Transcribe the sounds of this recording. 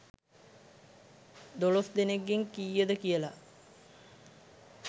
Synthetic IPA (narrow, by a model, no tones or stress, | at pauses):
d̪olosd̪eneɡːeŋkiːjəd̪əkijəla